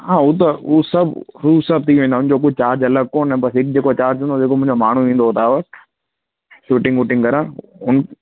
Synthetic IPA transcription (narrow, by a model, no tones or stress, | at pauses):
ɦãːut̪̬ɐuːsɐbʱɾuːsɐb̚ʱt̪ʰiːuʋẽnd̪aʊnd͡ʑok̬ʊt͡ɕaːɾd͡ʑɐləɡ̚koːnɛ̃bɐsɦɪk̚d͡ʑeːkot͡ɕaːɾd͡ʑɦũnd̪od͡ʑeːkomʊ̃ɦɪ̃ɲd͡ʑomaːɳ̤uʋĩːnd̪oːt̪aːʋə | suːʈɪ̃ŋɡuːʈɪ̃ŋɡkɐɾãːʊn